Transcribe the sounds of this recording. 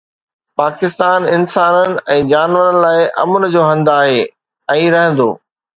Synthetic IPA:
paːkɪst̪aːnɪnsaːnənɪ̆ɛ̃ːd͡ʑaːnʋəɾənɪ̆laːɪʔɐ̰mʊnɪ̆d͡ʑoːɦɐ̃nd̪aːɦeː | ɛ̃ːɾɐɦə̃n̆d̪o̰ː

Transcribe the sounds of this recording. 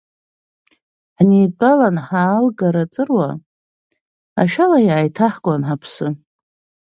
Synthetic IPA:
ħnipʼalanħaːlɡaɾat͡sʼɨrwa | a̰ʃᶣalajaːjtʰaħkʷʼanħapʰsɨ

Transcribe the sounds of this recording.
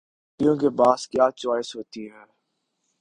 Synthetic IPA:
kjũːkebaːskjaːt͡ʃaːɪsɦoːt̪iːɦɛː

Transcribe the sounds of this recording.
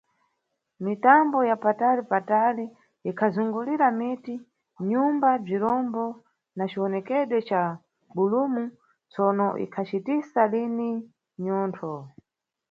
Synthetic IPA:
mitambɔjapatalipatali | ikʰazuŋɡuliɾamiti | ɲumbab͡ʐiɾɔmbɔ | nat͡ʃiwɔnɛkɛɗwɛt͡ʃa | ɓulumu | t͡sɔnɔʔḭkʰat͡ʃitisalini | ɲɔːntʰɔ

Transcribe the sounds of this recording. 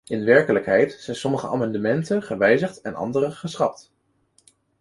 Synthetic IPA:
ɪnʋɛɹkələkɦɛjtsɛjnsɔməχəʔa̰ːmɑndəmɛntəχəʋɛjzəχtɛnɑ̰ndərəχəsχɑp̚t

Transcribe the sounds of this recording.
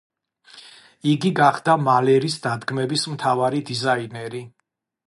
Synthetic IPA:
iɡiɡaχd̪amalɛɾisd̪ad̪ɡmɛbismt̪ʰavaɾid̪izainɛɾi

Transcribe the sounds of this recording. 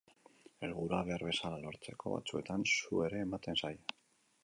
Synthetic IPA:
e̞lɣuɾaβe̞aɾβe̞salalo̞ɾt͡se̞kʰo̞̰βa̰t͡sue̞t̪ansue̞ɾe̞ːmat̪e̞nsaj

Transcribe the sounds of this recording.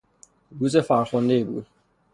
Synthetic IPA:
ɾuzefæɾxond̪ebṵːd̪̚

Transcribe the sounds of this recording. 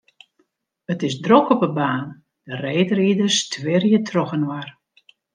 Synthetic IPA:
ətɪsdrokɔpəbaːn | dəreːdəɾidəstʰʋɪrjətʰrɔxənwar

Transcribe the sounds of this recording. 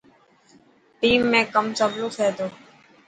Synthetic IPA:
ʈiːmːẽːkəmsəblõːt̪ʰeːt̪oː

